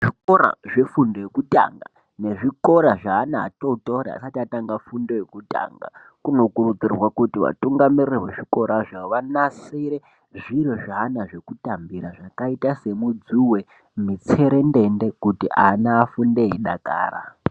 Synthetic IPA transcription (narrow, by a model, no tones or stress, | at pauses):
ʐiko̞ɾa̰ʐe̞fundojekuta̰ŋɡa̰ | ne̞ʐiko̞ɾaʐaːna̰ːtoutoɾa̰a̰satiataŋɡafundo̞jekuta̰ŋɡa̰ | kuno̞kurud͡zirwakutiʋa̰tuŋɡamirreweʐiko̞ɾaʐaʋanasiɾe | ʐiɾoʐaːnaʐe̞kutambiɾaʐakaitase̞mud͡zuwe̞ | mit͡se̞ɾe̞nde̞nde̞kutiʔanaːfundeiɗaka̰ːra̰